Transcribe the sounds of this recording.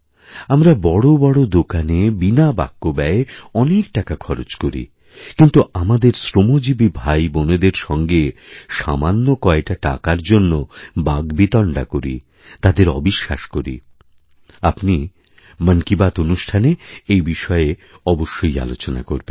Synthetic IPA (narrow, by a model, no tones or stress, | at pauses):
amɾabɔɽobɔɽod̪okanebinaba̰kːobɛeɔnek̚ʈakakʰɔɾot͡ɕkoɾḭ | kint̪uamad̪eɾsɾomod͡ʑibibʱajboned̪eɾʃɔŋɡeʃamanːokɔek̚ʈaʈa̰kaɾd͡ʑonːobaɡbit̪ɔɳɖa̰koɾḭ | t̪ad̪eɾɔ̰biʃːa̰ʃkoɾḭ | apni | mənkibat̪onuʃʈʰaneejbiʃɔe | ɔboʃːoja̰lot͡ɕona̰ko̰ɾben